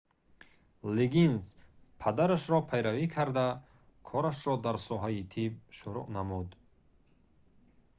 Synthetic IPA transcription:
liɡinspʰad̪aɾaʃɾɔpʰajɾavikʰaɾd̪a | kʰɔɾaʃɾɔd̪aɾsɔɦait̪ʰib̚ʃuɾuʔnamud̪

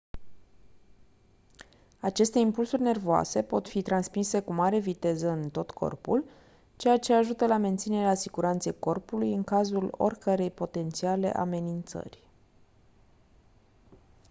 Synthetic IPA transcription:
at͡ʃe̞st̪e̞impulsurʲne̞rvoa̰se̞po̞t̪fit̪ɾansmise̞kumaɾe̞vit̪e̞zəɨnt̪o̞t̪kʰo̞̰rpṵl | t͡ʃe̞jat͡ʃe̞aʒut̪əlame̞nt̪sine̞ɾeasiɡuɾant̪sejko̞rpulujɨŋkazulo̞̰rʲkəɾe̞jpo̞t̪e̞nt̪siale̞̰ʔa̰me̞nint̪sə̰rʲ

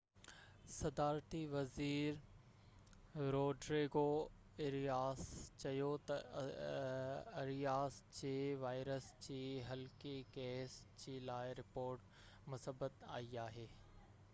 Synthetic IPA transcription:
sɐd̪aːɾt̪iʋɐziːɾ | ɾoːɖɾeːɡo | ɪɾijaːst͡ɕɐjot̪ɐ | ɐɾijaːsd͡ʑeːʋaːɪɾəsd͡ʑiːɦɐlkekeːs | d͡ʑiːlaːɪɾɪpoːɾʈ | mʊsəbət̪a̰ːiaːɦeː

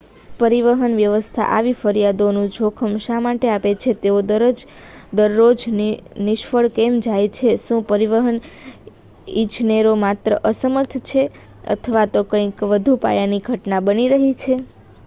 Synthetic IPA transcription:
pəɾiʋəɦənʋjəʋəst̪ʰa̰ʔaʋifəɾjad̪onũd͡ʒʱokʰəmʃamaʈeapet͡ʃʰet̪eod̪əɾəd͡ʒ | d̪əɾːod͡ʒninɪʃfəɭkemd͡ʒajt͡ʃʰeʃũpəɾiʋəɦən | it͡ʃneɾomat̪ɾəʔəsəməɾt̪ʰt͡ʃʰe | ə̰t̪ʰəʋat̪okə̃ĩkʋəd̪ʱupa̰janiɡʱəʈnabəniɾəɦit͡ʃʰe

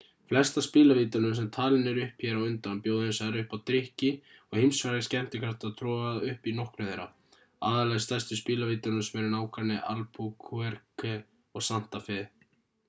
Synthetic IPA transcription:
flɛst̪aspiːlaviːt̪anʏms̬ɛmt̪ʰaːlɪnɛɾʏhpçɛɾawʏnt̪anpjoːwðɪhɛɪnsaðɾʏhpawt̪ɾɪhcɪɔɣhemsvaɾɪscɛm̥t̪ɪkʰvaɾt̪aðt̪ʰɾɔːaðʏhpinɔhknʏðejɾa̰ | aːðalɛɣst̪ɛst̪ʏspiːlaviːt̪anʏsɛmɛɾʏnaːwkanɪʔa̰lpʰukʰuɛɾkʏ | ɔɣsan̥t̪afɪð

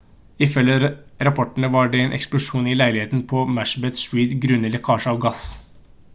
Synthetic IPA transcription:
ɪfœlːəɾɾɑpʰɔʈəɳ̩əʋɑɖɛeːnʔɛ̰ksplʊʂuːnɪlæɪlɪheːt̪npʰɔmæʂbɛt̪ʃwiːd̪ɡɾʉnələkʰɑːʂɔʋɡɑs

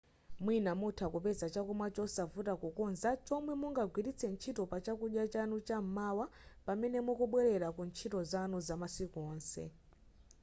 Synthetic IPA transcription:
mwinamutʰakupɛzat͡ʃakumwat͡ʃɔsavutakukɔnzat͡ʃɔmwɛmuŋɡaɡwiɾit͡sʰɛnt͡ʃʰitɔpat͡ʃakuɗjat͡ʃanut͡ʃam̩mawapamɛnɛmɔkuɓwɛɾɛɾakunt͡ʃʰitɔzanɔzamasikuɔːnsɛ̰

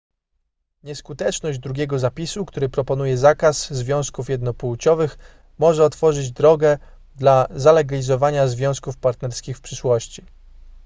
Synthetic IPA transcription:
ɲɛskut̪ɛt͡ʂnɔʑd͡ʑd̪ɾuɡʲɛɡɔzapʲisukt̪uɾɘpɾɔpɔnujɛzakaszvʲjɔ̃w̃skufjɛd̪nɔpuwt͡ɕɔvɘx | mɔʐɛɔt̪fɔʐɘd͡ʑd̪ɾɔɡɛ | d̪lazalɛɡalʲizɔvaɲazvʲjɔ̃w̃skufpaɾt̪nɛɾskʲixfpʂɘʂwɔɕt͡ɕi

